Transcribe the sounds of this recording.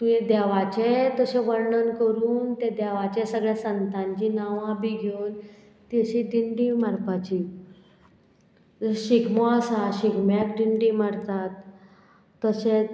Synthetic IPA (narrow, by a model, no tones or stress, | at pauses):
t̪uẽd̪ɛʋat͡ɕet̪əɕẽʋəɾɳənkəɾuːnt̪ed̪ɛʋat͡ɕɛsəɡɭjasənt̪ãɲt͡ɕinaʋãbiɡʱewn | t̪eɕiɖiɳɖimaɾpat͡ɕiː | ɕiɡmɔəsaɕiɡmjak̚ɖiɳɖimaɽt̪at̪ː | əɕe